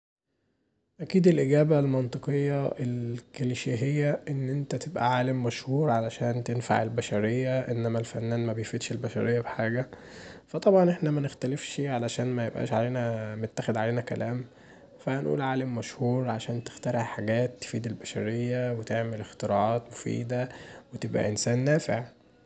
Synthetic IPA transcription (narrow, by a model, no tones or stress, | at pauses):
ʔækiːd̪elʔeɡæːbælmɑnt̪ˤɨqejːɑʔelkeliʃiɦejːæʔenːʔent̪æt̪ebʔæ̰ʕaːlemːæʃhuːɾʕalæʃæːnt̪enfa̰ʕelbæʃæɾejːæʔenːæmælfænːæːnmæbejfid̪ʃelbæʃæ̰ɾejːæbħaːɡæ | fæt̪ˤɑbʕɑnʔeħnæmænext̪ælefʃiʕalæʃæːnmæjebʔæ̰ːʃʕaleːnæmet̪ːæxed̪ʕaleːnækælæːm | fæhænʔṵːlʕaːlemːæʃhuːɾʕaʃæːnt̪e̥xt̪æɾˤeʕħaɡæːt̪ːe̥fiːd̪elbæʃæɾejːæwet̪eʕmelext̪eɾɑ̰ːʕɑːt̪mofḭːd̪æwet̪ebʔæ̰ʔensæːnːæːfḛʕ